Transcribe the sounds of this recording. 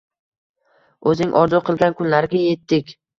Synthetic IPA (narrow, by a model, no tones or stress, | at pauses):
ɵzɪɪŋʔɒɾd̪ʊqʰɨlˠɡʲankʰʊnlaɾɪɡʲaje̞t̪ːɪkʲ